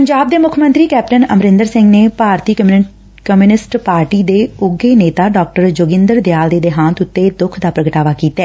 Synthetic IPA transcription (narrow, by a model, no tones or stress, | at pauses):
pəɲd͡ʒaːb̚d̪eːmʊkʰmə̃nt̪ɾiːkɛːp̚ʈənəmɾɪ̃nd̪əɾsɪ̃ŋɡneːpaːɾt̪iː | kəmjuːnɪsʈpaːɾʈiːd̪eːʊɡeːneːt̪aːɖɔːk̚ʈəɾd͡ʒoːɡɪ̃nd̪əɾd̪jaːld̪eːd̪eːɦãːt̪ʊt̪ːeːd̪ʊkʰd̪aːpɾəɡəʈaːʋaːkiːt̪aɛː